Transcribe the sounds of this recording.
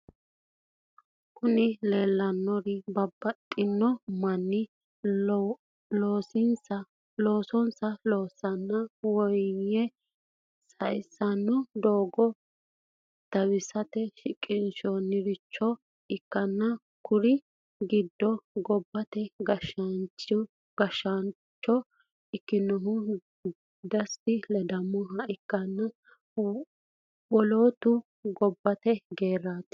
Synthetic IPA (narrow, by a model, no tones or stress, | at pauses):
kʊnɪle̞ːlːɐnːɔɾɪbɐbːɐt̪ʼːɪnːɔmɐnːɪ | loːsɪnsɐ | lo̞ːsɔnsɐloːsːɐnːɐwɔjjɛ | sɐjsːɐnːɔd̪oːɡɔ | t̪ɐwɪsɐt̪ɛʃɪkʼːɪnʃɔnːɪɾɪt͡ʃːɔ | ʔɪkːɐnːɐ | kʊɾɪ | ɡɪd̪ːɔɡɔbːɐt̪ɛɡɐʃɐnt͡ʃ | ɡ̥ɐʃan | t͡ʃːɔ | ɪkːɪnːɔɦʊ | d̪ɐst̪ɪlɐd̪ɐmːɔɦɐʔɪkːɐnːɐ | wɔloːt̪ʊ | ɡɔbːɐt̪ɛɡeːɾːaːt̪